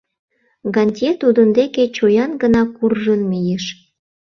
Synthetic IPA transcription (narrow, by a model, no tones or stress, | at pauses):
ɡɑnʲtʲet̪ud̪ənd̪eket͡ɕojɑnɡənɑkurʒənmejeʃ